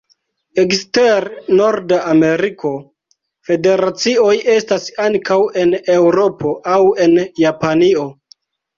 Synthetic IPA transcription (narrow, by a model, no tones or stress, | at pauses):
eksteɾno̞ɾdaʔame̞ɾikʰo̞ | fe̞de̞ɾat͡sio̞je̞stasaŋkawe̞ne̞wɾo̞pʰo̞ʔawe̞njapanio̞